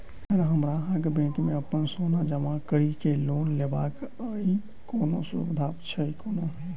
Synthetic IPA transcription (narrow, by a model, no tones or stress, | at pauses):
əɾɦəmɾaəɾɡbẽkmeəpənsonad͡ʒəmãkəɾikelonlebakəi | konosuṵbd̪ʱapt͡ʃʰəikono